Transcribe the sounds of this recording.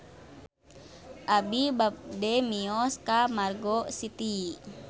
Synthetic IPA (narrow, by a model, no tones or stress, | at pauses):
ʔabibap̚dɛmiɔskamarɡɔsit̪i